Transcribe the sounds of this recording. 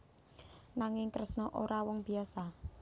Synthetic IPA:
naŋɪŋkɾəsnɔʔoɾawɔŋb̥iasa

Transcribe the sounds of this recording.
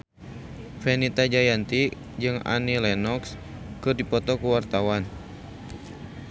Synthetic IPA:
fɛnit̪ad͡ʒajant̪i | d͡ʒɨŋa̰nilɛnɔks | kɨrdipɔt̪ɔkuwart̪awan

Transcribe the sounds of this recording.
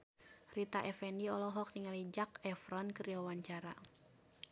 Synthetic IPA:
rit̪aʔɛfɛniɔlɔɦɔk̚niŋalid͡ʒakɛfɾɔnkəriwawaɲt͡ʃaɾa

